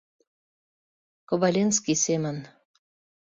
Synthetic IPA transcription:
koβalʲenskisemə̆n

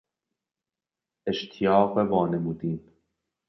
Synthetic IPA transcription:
eʃt̪ʰijɒːɣbevɒːnemuːd̪iːn

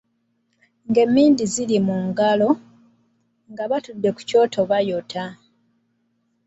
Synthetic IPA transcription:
ŋɡe̞mːiːndizilimuŋɡalo̞ | ŋɡaβatudːe̞ku̥co̞ːtʰo̞βajotʰa

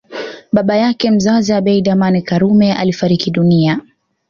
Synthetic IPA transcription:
ɓaɓajakɛm̩zaziaɓɛjɗamanikaɾumɛʔa̰lifaɾikiɗunia

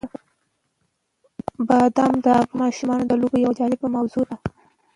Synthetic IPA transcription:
bɑd̪amd̪əmɑʃumɑnod̪əlobejawad͡ʒɑlɪbəmawzod̪a

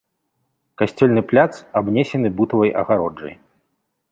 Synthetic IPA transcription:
kasʲt͡sʲɔlʲnɨplʲat̪sabnʲɛsʲɛnɨbut̪ɐvɐjʔɐ̰ɣaɾɔd͡ʐɐ̰j

